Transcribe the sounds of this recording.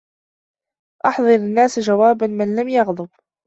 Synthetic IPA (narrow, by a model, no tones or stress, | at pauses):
ʔɑħðˤɨɾanːaːsd͡ʒawaːbanmɪnlamjɑɣd̪ˤɨb